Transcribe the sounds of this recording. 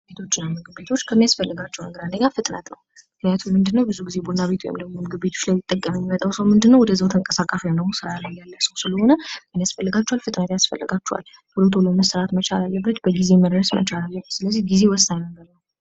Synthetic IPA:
set̪ʰo̞t͡ʃːɪnːamɨɡɨbe̞t̪ʰo̞t͡ʃːkʰəmːijasfəlːɨɡat͡ʃːɛwnəɡəɾand̪əɲafɨt̪ʼnə̰t̪nə̰wmɨknijat̪ʰummɨnd̪ɨnːəwbɨzuɡizebonaβe̞t̪ʰwjɛ̰md̪əmmomɨɡɨbet̪ʰo̞t͡ʃːlajmːɪt̪ʼːəkʼːəmjɛmːimət̪ʼawsəwmɨnd̪ɨnːəwɔd̪əzəwt̪ʰəŋkʼəsakʼaʃad̪əɡusɨɾajalːəjalːəsəwsɨləho̞nəkʰəmijasfəlːɨɡat͡ʃːualfɨt̪ʼnət̪jasfə̰lːɨ̰ɡat͡ʃːuha̰l | huləwt̪ʰuləməsəɾat̪mət͡ʃalalːəbːət̪bəɡize̞məɾɾəsmə̰t͡ʃalalːəbsɨləzːiɡize̞wɔst̪ajnəɡəɾnəw

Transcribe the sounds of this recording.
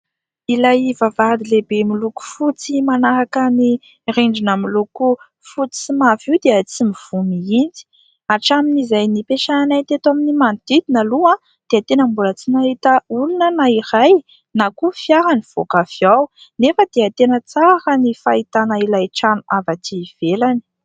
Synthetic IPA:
ilajivavad̪ilebemiluku̥fut͡simanaɾakəni | ɾiɳɖ͡ʐinamiluku | fut͡si̥simaviwd̪eət͡simiv̥uniind͡zi̥ | aʈ͡ʂaminizajnipeʃananat̪et̪aminimand̪id̪inalua | d̪̥eat̪enəmbulət͡sinaɦit̪əulunənaiɾaj | nakufjaɾaniv̥okafiawnefəd̪̥eat̪enət͡saɾənifait̪anailajʈ͡ʂanuʔavat̪ʰiv̥elani̥

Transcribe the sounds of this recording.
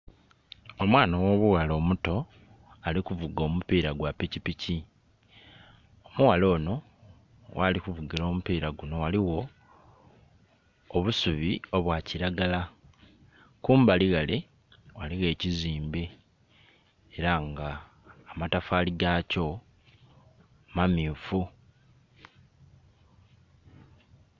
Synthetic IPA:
o̞mwaːnawo̞βuɣalo̞ːmuto̞ | alikuvuɡo̞ːmupiːɾaɡwapicipici | o̞muɣalo̞ːno̞ | wʔalikuvuɡiɾo̞ːmupiːɾaɡuno̞waliɣo̞ | βusuβio̞βwaciɾaɡala | kuːmbaliɣale̞ | waliɣe̞ːciziːmbe̞ | ɾaŋɡaː | matafaːliɡaːco̞ | mamiufu

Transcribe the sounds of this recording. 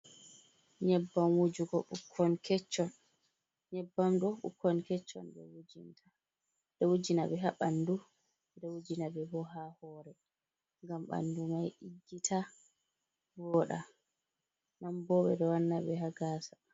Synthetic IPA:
ɲɛbːamwud͡ʒuɡɔɓukʰːɔnkɛt͡ʃːɔn | ɲɛbːamdɔɓṵkʰːɔnkɛt͡ʃːɔ̰nbɛ̰wud͡ʒintʰa | dɔwud͡ʒinaɓɛɦaɓandu | dɛwud͡ʒinabɛbɔɦahɔɾɛ | ŋɡamɓa̰ndumajʔid͡ʒːitʰa | bɔɗa | nambɔɓɛ̰dɔwanːaɓɛɦaɡaːsḁ

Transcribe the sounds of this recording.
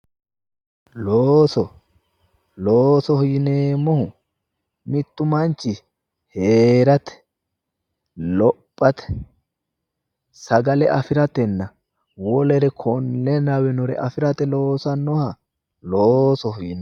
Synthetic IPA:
loːsɔ | loːsɔhʊjɪneːmːɔhʊ | mɪt̪ːʊmɐnt͡ʃːɪ | heːɾɐt̪ɛ̥ | lɔpʼːɐt̪ɛ̥ | sɐɡɐlɛʔɐfɪɾɐt̪ɛnːɐ | wɔlɛɾɛkʰɔnːɛnɐwɛnɔɾɛ̰ʔɐfɪɾɐt̪ɛlo̞ːsɐnːɔhɐ | loːsɔhʊjɪn

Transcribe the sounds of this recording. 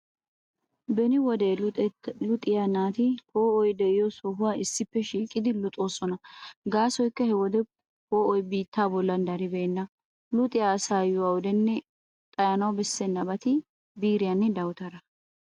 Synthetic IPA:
bɛnɪwɔd̪e | lʊt̪ʼɪjanaːt̪ɪkoːɔjd̪ɛʔɪjɔsɔɦʊwaːɪsːɪpːɛʃiːkʼɪd̪ɪlʊt̪ʼoːsʼɔnɐɡaːsɔjkːɐhɛwɔd̪ɛ | koːʔɔjbiːt̪ːaːbɔlːɐnd̪ɐɾɪbeːnːɐ | lʊt̪ʼɪjasaːjʊwawɔd̪ɛnːɛ | t̪ʼɐjɐnɐwbɛsːɛnːɐbɐt̪ɪ | biːɾɪjɐnːɛd̪ɐwt̪ɐɾɐ

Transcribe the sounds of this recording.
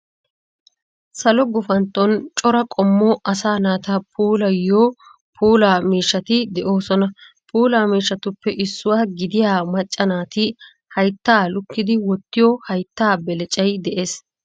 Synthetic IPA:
sɐlɔɡʊfɐnt̪ːɔnt͡ʃʼɔɾɐkʼɔmːɔʔɐsaːnaːt̪ɐpʰuːlɐjːoː | pʰuːlaːmiːʃːɐt̪ɪd̪ɛʔo̞ːsɔnɐ | pʰuːlaːmiːʃːɐt̪ʊpːɛʔɪsːʊwaːɡɪd̪ɪjaːmɐt͡ʃʼːɐnaːt̪ɪ | hɐjt̪ːaːlʊkːɪd̪ɪwɔt̪ːɪjɔhɐjt̪ːaːbɛlɛt͡ʃʼɐjd̪ɛʔeːs

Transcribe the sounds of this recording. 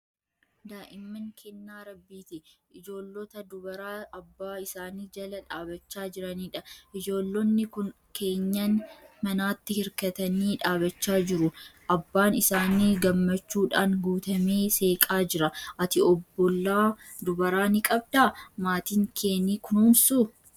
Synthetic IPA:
d̪aːʔɪmːɐŋkʰɛnːaːɾɐbːiːt̪ɪʔɪd͡ʒo̞ːlːɔt̪ɐd̪ʊbɐɾaːɐbːaːɪsaːniːd͡ʒɐlɐᶑaːbɐt͡ʃːaːd͡ʒɪɾɐniːᶑɐʔɪd͡ʒo̞ːlːɔnːɪkʊn | ke̞ːɲːɐnmɐnaːt̪ːɪhɪɾkɐt̪ɐniːᶑaːbɐt͡ʃːaːd͡ʒɪɾʊʔɐbːaːnɪsaːniːɡɐmːɐt͡ʃːuːᶑaːnɡuːt̪ɐmeːse̞ːkʼaːd͡ʒɪɾɐʔɐt̪ɪɔbːɔlːaː | d̪ʊbɐɾaːnɪkʼɐb̚d̪aːmaːt̪iːŋkʰe̞ːniːkʊnuːnsu

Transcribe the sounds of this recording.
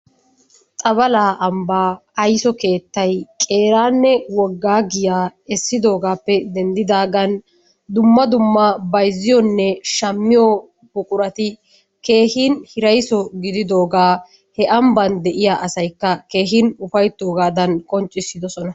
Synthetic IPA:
t̪ʼɐbɐlaːʔɐmbaːɐjsɔke̞ːt̪ːɐjkʼe̞ːɾaːnːɛwɔɡːaːɡɪjaːɛsːɪd̪o̞ːɡaːpːɛd̪ɛnd̪ɪd̪aːɡɐn | d̪ʊmːɐd̪ʊmːɐbɐjzːɪjɔnːɛʃɐmːɪjɔ | bʊkʼʊɾɐt̪ɪ | ke̞ːhɪnhɪɾɐjsɔɡɪd̪ɪd̪o̞ːɡaː | hɛʔɐmbɐnd̪ɛʔɪjaːʔɐsɐjkːɐke̞ːɦɪnʊfɐjt̪ːo̞ːɡaːd̪ɐnkʼɔnt͡ʃʼːɪsːɪd̪ɔsɔnɐ

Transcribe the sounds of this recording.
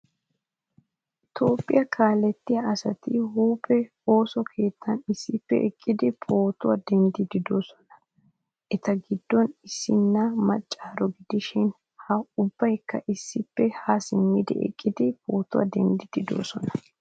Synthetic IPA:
ʔɪt̪o̞ːpʼːɪjɐkʰaːlɛt̪ːɪjaɐsɐt̪ɪhuːpʼɛ | o̞ːsɔkʰeːt̪ʰːɐnɪsːɪpːɛʔɛkʼːɪd̪ɪpʰʼo̞ːt̪ʊwad̪ɛnd̪ɪd̪ɪd̪o̞ːsɔ̥nɐ̥ | ʔɛt̪ɐɡɪd̪ːɔnɪsːɪnːɐmɐt͡ʃʼːaːɾɔɡɪd̪ɪʃɪn | hɐʊbːɐjkːɐʔɪsːɪpːɛhɐsɪmːɪd̪ɛ̰ʔɛ̰kʼːɪd̪ɪpʼoːt̪ʊwɐ̰d̪ɛnd̪ɪd̪̥ɪd̪o̞̰ːsɔ̰nɐ̥

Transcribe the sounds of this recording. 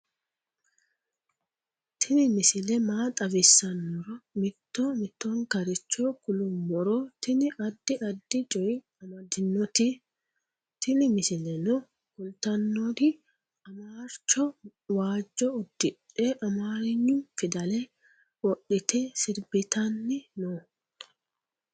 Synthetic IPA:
t̪ʰɪnɪmɪsɪlɛmaːt̪ʼɐvɪsːɐnːɔɾɔmɪt̪ːoːmɪt̪ːoːŋkɐɾɪt͡ʃːoːkʊlʊmːɔɾoːt̪ɪnɪʔɐd̪ːɪʔɐd̪ːɪt͡ʃʼɔjɪ | ɐmɐd̪ɪnːɔt̪i | t̪ɪnɪmɪsɪlɛnɔ | kʊlt̪ɐnːod̪ɪ | ɐmaːɾt͡ʃːɔ | waːd͡ʒːɔʊd̪ːɪᶑ | eːʔɐmaːɾɪɲːʊfɪd̪ɐlɛ | wɔʔɪt̪ʰeːsɪɾbɪt̪ɐnːɪnoː

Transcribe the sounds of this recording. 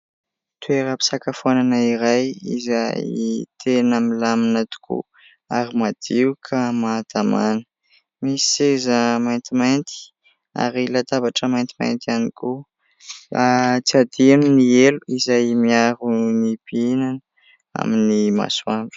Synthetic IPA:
t̪ueɾəpi̥sakafuananaiɾajḭzajt̪ʰenəmilaminat̪u̥kʰṵ | aɾimad̪̥iukʰəmad̪̥ama̰nə̥ | misezəmajnt̪imajnt̪i̥ | a̰ɾilat̪abaʈ͡ʂəmajnt̪i̥ma̰jnt̪ianiku | at͡siad̪ianinieluizajmiaɾunibiinan | a̰minima̰swaɳɖ͡ʐu̥

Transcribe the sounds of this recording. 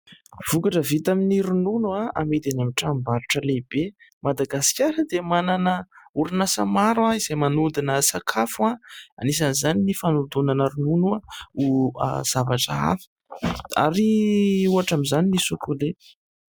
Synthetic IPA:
v̥ukaʈ͡ʂəvit̪aminiɾununuaamed̪enamiʈ͡ʂambaɾuʈ͡ʂəleibemad̪aɡasi̥kʲjaɾəd̪emananəuɾinasa̰maɾwaiz̥ejmanud̪inəsakʰafuaanis̬anizaninifanud̪unanəɾununuaua̰z̥avaʈ͡ʂəa̰fə̥a̰ɾiuaʈ͡ʂamizaninisukule

